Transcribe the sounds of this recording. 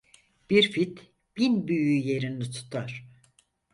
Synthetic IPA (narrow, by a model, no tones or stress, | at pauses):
b̥iɾfit̪ | b̥inbyjyje̞ɾind̪it̪ʰu̥t̪ʰaɾ̥